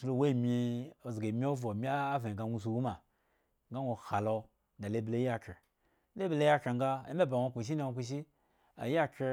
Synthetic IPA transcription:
su˨˦lo˧˦we˦˨mʲi˧o˨zɡe˨mʲi˦o˦vo˨mʲi˦aː˦ve˨ɡa˧nʷu˧s̬u˧wu˦ma˨ | ŋ˦ɡa˦wʷo˨ha˨lo˧ | da˨le˦ble˦a˦ke˨ | le˦ble˦ja˦ke˨ŋ˦ɡa˦ḛ˦me˦ba˨wʷo˦˧kʷu˨ʃ̬i˦ni˦˨o˧ku˧ʃ̬i˦ | a̰˨ja˦ke˧

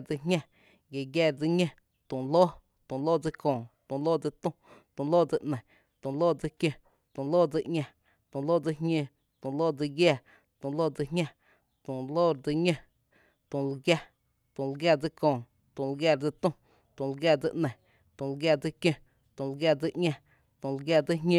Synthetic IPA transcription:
d͡zi˧ɦɲʲã˦˧ | ɡe˨ɡjaː˧˨ɾd͡zi˧ɲẽ˦ | t̪ũ˨loː˦ | t̪ũ˨loː˦˨d͡zi˧kõː˨t̪ũ˨loː˦˨d͡zi˧t̪ũ˦t̪ũ˨loː˦˨d͡zi˧ʔnə̃˨ | t̪õ˨loː˦˨d͡zi˧kjẽ˧ | t̪ũ˨loː˦˨d͡zi˧ʔŋɲʲã˧ | t̪ũ˨loː˦d͡zi˧ɦɲẽ˧ | t̪ũ˨loː˦d͡zi˧ɡjaː˧˨ | t̪ũ˨loː˦˨d͡zɨ˧ɦɲʲã˦˧ | t̪ũ˨loː˦ɾd͡zi˧ɲẽ˦˧ | t̪ũ˨lɡja˧ | t̪ũ˨lɡjaː˧˨d͡zɨ˧kõː˨ | t̪ũ˨lɡa˧˨ɾd͡zɨ˧t̪ũ˦ | t̪ũ˨lɡja˧d͡zi˧ʔnə̃˨ | t̪ũ˨lɡja˧d͡zi˧kjẽ˧ | t̪ũ˨lɡja˧d͡zi˧ʔɲʲẽ˧ | t̪ũ˨lɡja˧˨d͡zi˦ɦɲʲẽ˧

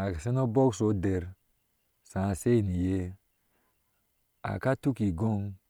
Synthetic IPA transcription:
a˨se˦no˦bo˦kso˨˦de˨ɾ | sã˨se˦˨ni˨je˦ | a̰˨ka˦tu˦ki˨ɡo˦ŋ

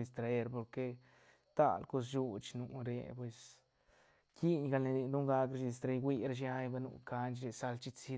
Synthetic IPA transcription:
i˧st̪ɾa˧e˧ɾpo˧ɾke˧ | t̪a̰˦˨lko˧s̬ju˧t͡ʃnu˧ɾḛ˧pwe˧s | ki˦ɲɡa˧lni˧ni˧d̪u˦ŋɡa˧kɾa˧ʃii˧s̬t̪ɾa˧jɡwi˧ɾa˧ʃ̬ja˦jba˧nṵ˧˨ka˧nt͡ʃɾe˧sa˧lt͡ʃi˦˧t͡si˧

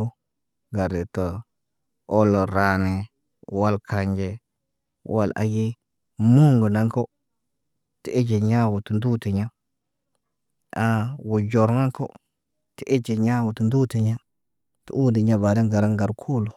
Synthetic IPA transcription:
o˦ | ɡa˨ɾe˨to˨ | o˦lo˨ɾa˦ne˨ | wa˦lkʰa˨ɲd͡ʒe˦ | wʔa˦la̰˨˦ɡi˦ | mu˦ŋɡu˨na˦ŋko˦ | ti˨e˦d͡ʒe˨ɲa˦wu˨tu˨ndu˦te˨ɲa˦ | a˨wu˨d͡ʒo˨ɾna˦ŋko̰˦ | ti˨ʔe˦d͡ʒe˨ɲa˦wu˨tu˨ndu˦te˨ɲa˦ | tṵ˨ʔu˦ndi˨ɲa˦ba˨de˦ŋɡa˨ɾa˦ŋɡa˨ɾkʰu˦lu˨

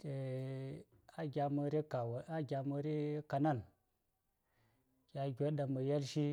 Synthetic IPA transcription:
e˨ | a˦ɡʲa˨mə˧ɾi˦ka˨wa˦ɡʲa˨mə˧ɾi˦ka˨na˦˨n | ɡ̥ʲa˨ɡʲo˦ɗa˨mə˨je˦lʃi˦

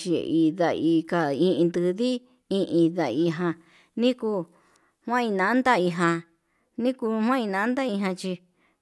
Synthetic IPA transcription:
t͡ʃi˧ḛ˧˨ʔi˧ða˧i˧ka˧ĩ˧ʔĩ˧nd̪ɨ˧ði˦ | ĩ˧ʔĩ˧ða˧˨i˧ɦã˧ | nĩ˦ku˧ | hwã˦ĩ˧nã˨˦nd̪a˦i˧ɦã˧ | nĩ˦ku˧hw̃ã˦ĩ˧nã˧˦nd̪a˦i˧ɦã˧t͡ʃi˧

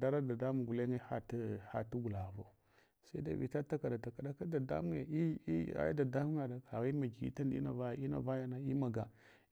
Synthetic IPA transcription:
da˦ɾa˦da˨da˦mu˦˨ɡu˨le˦ŋe˦ha̰˦ti˦ha̰˨tu˦ɡu˨la˨vo˨ | sa˦i˦da̰˨vḭ˨ta˦ta˦ka˨da˨ta˨ka˨da˦ka˦da˨da̰˦mu˦ḛ˨i˦i˦˨a̰˦ja̰˦da˨da˦mu˦ŋa˨da˨ka˨ɣi˦ma˨ɡi˨ḭ˦ta˦nḭ˦na̰˨va˦˨i˦na̰˨va˦ja˦na˨i˦ma˨ɡa˨

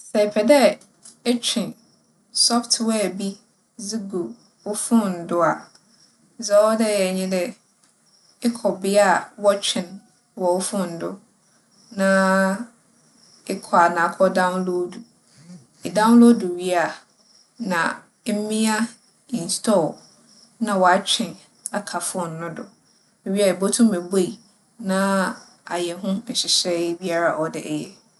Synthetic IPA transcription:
sɛ˨pʰɛ˨dɛ˦ | ɛ˦t͡ɕʰᶣɪ̃˨n | sɔ˦ftʰwɛː˦˨bi˦ | zi˦ɡu˨ | ʊ˦fʊ̃˦n̩˨dʊ˦a˨˦ | zɔ˨˦wɔ˦dɛ˦jɛ˨ɲɪ̃˦dɪ˦ | ɪ˦kʰɔ˨bɪ˦a˨wɔ˦t͡ɕᶣʰɪ̃˨n | wɔ˨ʊ˦fʊ̃˦n̩˨dʊ˦ | nã˦ | ɪ˦kʰɔ˨a˨nã˨˦kʰɔ˦dã˦w̃nlo˦du˨ | dã˦wlo˦du˨ɥi˦a˨ | nã̰˨˦ | mĩ˦a˦ | ĩ˨nstʰɔ˦˨ | nã˦wɔ˨a˦t͡ɕᶣɪ̃˨n | a˨kʰa˨fʊ˦ɔ˦n̩˨nʊ̃˦dʊ̰˨ | mɛ̃˨ɥi˦a˨e˨bo˦tʰʊ̃˦m˦ɛ˨bo˦i˨ | nã˦ | a˨jɛ˨ɦʊ̃˦n̩˨ɕɪ˨ɕɛ˦bi˦a˦ɾa˨ʔɔ˨dɪ̰˨ʔɛ˨jɛ˦

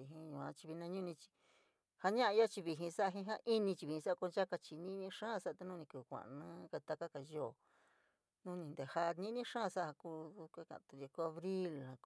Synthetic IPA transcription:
i˧ɦĩ˧jũ˨˧ã˧t͡ʃi˧βi˧nã˧ɲũ˦˧nĩ˧t͡ʃi̥˧ | ha˧ɲã˦ʔã˧ja˦t͡ʃi˧βi˧ɦĩ˧sa˦a˧ɦĩ˧ɦã˦ʔi˦nĩ˧t͡ʃi˧βi˨ĩ˧sa˦a˧ko˧nd͡ʒa˦ka˧t͡ʃi˧nĩ˦nĩ˦ʂã˦˧sa˦ʔa˧t̪e˧nũ˦˧ĩ˧ku˧˨kʷã̰˨nã˦ke˧t̪a˧ka˦ka˨joː˦˨ | nũː˦nĩ˧nd̪e˨ha˧nĩ˦nĩ˦ʂãː˦˨˧sa˦˧ha˧ku˧˦˧kʷe˦kã̰˨ʔt̪u˧i˧ku˧a˧βɾi˦lhã˧

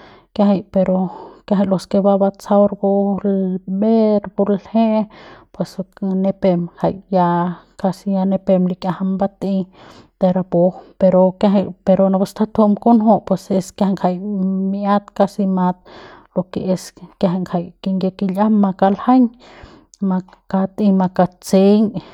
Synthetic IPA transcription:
kaɦa˧jpe˧ɾo˧ka˧ɦa˧jlo˧ske˧ba˧ba˧t͡sa˧wɾbo˧lbe˦ɾbu˧lhe˦pwe˨sne˧pe˧mha˨jja˧ka˧sija˧ne˧pe˧mli˧kja˧ha˧mba˦t̪i˧ | t̪e˧ɾa˧bo˧pe˧ɾo˧kjaɦa˧jpe˧ɾo˧na˧ba˧st̪ʰa˦t̪ʰu˧ʔmko˦nɦo˦ʔpwese˧ska˧ha˧ŋkʰa˧˨jmia˦t̪ka˧si˧ma˧t̪̚lo˧ke˧e˧skja˧ɦa˧ŋkʰa˧jki˧ŋɡe˧ki˧la˦mma˧ka˧lha˦ɲ | ma | ka˧t̪i˧ma˧ka˧t͡se˦ɲ

